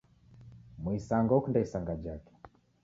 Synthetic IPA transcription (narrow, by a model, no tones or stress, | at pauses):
muisaŋɡɔkundaisaŋɡad͡ʒakɛ̥